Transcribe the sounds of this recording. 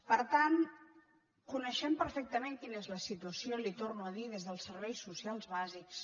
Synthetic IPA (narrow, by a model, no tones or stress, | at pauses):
pəɾt̪an | kunəʃɛmpəɾfɛk̚t̪əmeŋkinezləsit̪uəsiolit̪ornuəðiðezðəlˠsəɾβɛjsːusialˠzβaziks